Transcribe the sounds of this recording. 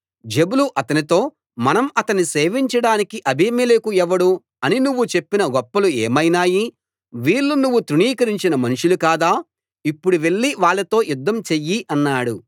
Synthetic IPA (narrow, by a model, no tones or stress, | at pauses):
d͡ʒe̞buluʔɐt̪ɐnit̪o̞ː | mɐnɐmɐt̪ɐniseːʋiɲt͡ʃɐɽaːnikiʔɐbʱimelekuɛʋɐɽu | ɐninuʋːut͡ʃe̞pːinɐɡɔpːɐlueːmɐjnaːji | ʋiːɭːunuʋːut̪ɾuɳiːkɐɾiɲt͡ʃinɐmɐnuʂulukaːd̪aː | ipːuɽuʋe̞ɭːiʋaːɭːɐt̪o̞ːjud̪ːɐmt͡ʃejːiʔɐnːaːɽu